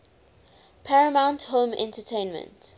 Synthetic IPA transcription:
pʰɛɹəmãʊ̃nthõmɛ̰̃ntətʰẽɪ̃nmə̰̃nt

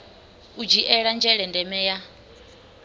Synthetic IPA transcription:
ud͡ʒiʔɛɺand͡ʒɛɺɛndɛmɛja

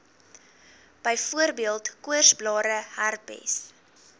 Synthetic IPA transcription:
b̥əjfuərbiəlˠtkuərsblɑːɾəhærpɛ̰s

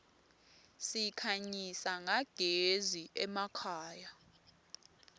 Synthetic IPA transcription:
sikʰaɲisaŋaɡ̥ʱeziʔɛmakʰaːja

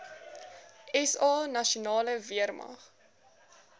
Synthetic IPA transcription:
ɛsɑːnɐʃunɑːləviərmɐ̰χ

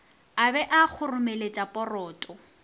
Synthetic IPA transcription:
abɛʔak͡xʰʊrʊmelet͡ʃʼapʼɔrɔːtʼɔ

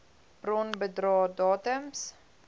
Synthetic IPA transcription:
brɔnbədrɑːdɑːtəms

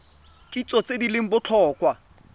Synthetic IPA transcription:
kʼit͡sʼɔt͡sʼedilɪŋ̩bʊt͡ɬʰɔːkʼwa

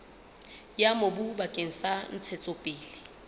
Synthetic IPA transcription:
jamobubakʼeŋ̩san̩t͡sʰɛt͡sʼopʼɪːlɪ

